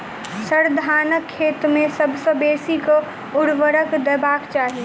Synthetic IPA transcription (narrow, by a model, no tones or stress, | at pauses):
səɾd̪ʱanəkʰːet̪mesəbʱsə̃besikə | uɽʋəɾəkd̪ɛbakt͡ʃaɦi